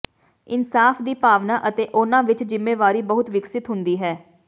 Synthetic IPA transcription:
ɪnsaːfʰd̪iːpaːʋnãːʔət̪eːʔʊnãːʋɪt͡ʃd͡ʒɪmːeːʋaːɾiːbəɦʊt̪ʋɪksɪt̪ɦʊnd̪iːɦɛː

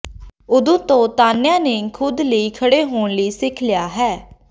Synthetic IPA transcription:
ʊd̪õːt̪õːt̪aːnɪjãːneːkʰʊd̪ləiːkʰəɽeːɦoːɳləiːsɪkʰlɪjaːɦɛː

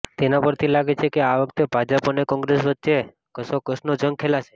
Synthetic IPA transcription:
t̪enapəɾt̪ʰilaɡet͡ʃʰekeaʋəkʰt̪ebʱad͡ʒəpɔnekɔ̃ŋɡɾesʋət̪ːʃe | kəsokəsnod͡ʒəŋkʰelaʃe̥

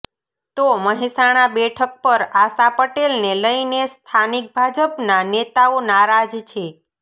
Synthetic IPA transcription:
t̪oməɦisaɽ̃abɛʈʰək̚pəɾasapəʈelneləinest̪ʰanik̚bʱad͡ʒəpnanet̪aonaɾad͡ʒt͡ʃʰe

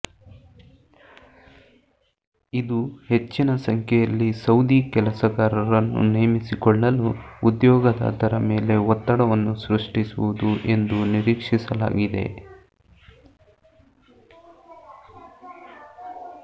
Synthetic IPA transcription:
id̪uhe̞t͡ʃːinɐsɐŋkʰɛjɐlːisɐwd̪iːkɛlɐsɐɡaːɾɐɾɐnːṵnejɐmisikɔɭːɐluːd̪jɔːɡɐd̪a̰ːt̪ɐɾɐme̞ːle̞ɔt̪ːɐɽɐʋɐnːusɾuʂʈisuʋud̪uʔe̞nd̪uniɾiːkʂisɐla̰ːɡid̪e̞̰

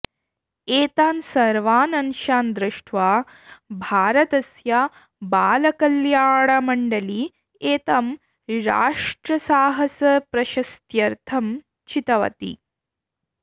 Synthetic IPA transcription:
eːt̪aːnsɐɾʋaːnɐnʃaːnd̪ɾɪʂʈʰʋaː | bʱaːɾɐt̪ɐsja | baːlɐkɐljaːɽɐmɐɳɖɐli | eːt̪am | ɾa̰ːʂʈɾɐsaːɦɐsɐpɾɐʃɐst̪jɐɾt̪ʰɐm | t͡ʃit̪ɐʋɐ̰t̪ḭ

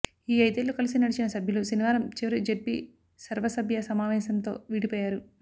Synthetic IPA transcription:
iːɐjt̪elːukɐlis̬inɐɽit͡ʃinɐsɐbʱjulusiniʋaːɾɐmt͡ʃiʋɐɾid͡ʒeʈ̚bḭ | sɐɾʋɐsɐbʱjɐsɐmaːʋɛːsɐnt̪o̞̰ːʋiːɽipɔːjaːɾu

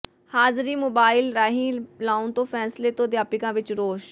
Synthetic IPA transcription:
haːzɾiːmoːbaːɪlɾaːɦĩːlaːunt̪õːpʰɛːsleːt̪õːd̪jaːpɪkãːʋɪt͡ʃɾoːʃ

